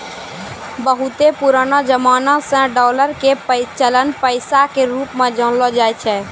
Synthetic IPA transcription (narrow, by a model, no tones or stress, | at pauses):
bəɦut̪epuɾaːnad͡ʒəmaːnasə̃ɖɔːləɾkepəɪt͡ʃələnpəɪsakeɾuːpmẽd͡ʒɔ̃nlɔd͡ʒajt͡ʃʰɛ